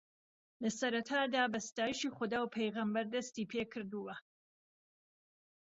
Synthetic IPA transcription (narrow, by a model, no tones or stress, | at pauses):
lɐsɐɾɐt̪ʰaːd̪aːbɐst̪aːjiʃiːχʊd̪aːwpʰejɣɐmbɐɾd̪ɐst̪iːpʰeːkʰɨɾd̪uwɐ